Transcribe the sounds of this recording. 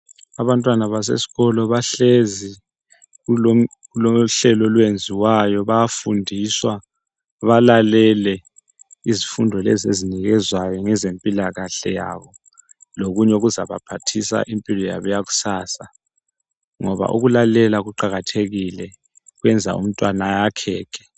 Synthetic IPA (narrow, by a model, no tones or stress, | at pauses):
aβantʼwanaβas̬ḛsi̥ɣɔlɔβaɬezi | ulo | ulɔɬɛlɔlwend͡zʱiwajɔβajafundʱiswa | βalalɛlɛ | izifundʱɔlezḛziniɣɛzwajɔŋɛzempʼilaɣaɬɛ̰ja̰βɔ | loɣuɲɛuɣuza̰βapʰatʰisa̰ʔimpʼilɔja̰βujaɣu̥saːsa | ŋɔβa̰ʔṵɣulalɛlaɣuǃaɣatʰeɣilɛ | ɣwɛnd͡zʱa̰ṵm̩tʼwanajakʰɛːkʰɛ̥